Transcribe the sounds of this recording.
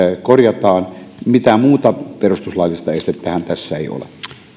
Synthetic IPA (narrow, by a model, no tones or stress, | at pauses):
korjɑt̪ɑːnmit̪æmuːt̪ɑperust̪uslɑilːist̪ɑest̪et̪ːæhænt̪æsːæeio̰lḛ